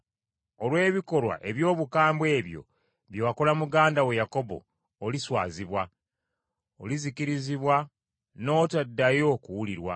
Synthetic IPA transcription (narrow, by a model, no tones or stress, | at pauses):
o̞lwe̞ːβiko̞lwa̰ʔe̞βjo̞ːβukaːmbwe̞ːβjo̞̰ | βjowako̞lamuɡaːndawe̞jako̞βo̞̰ː | liswa̰ːziβwa | o̰lizikiɾiziβwa | no̞ːtadːajo̞kuwuliɾwa̰